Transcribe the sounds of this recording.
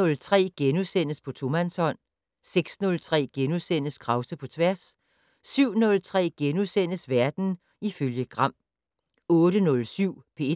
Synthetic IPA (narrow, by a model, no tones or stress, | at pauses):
ɔ̽lt͡sʰʁɛ̰ːɡ̥enusen̰əspʰɒ̽t͡sʰo̝mænshɒ̽n̰ | seɡ̥snɔ̽lt͡sʰʁɛ̰ːɡ̥enusen̰əskʰʁɑ̈ʊsəpʰɒ̽t͡sʰʋæɐsː | yʊ̰nɔ̽lt͡sʰʁɛ̰ːɡ̥enusen̰əsʋæɐd̥n̩ | iføljəɡ̥ʁɑ̈m̰ | ɔ̽ːɾənɔ̽lsyʊ̰pʰe̝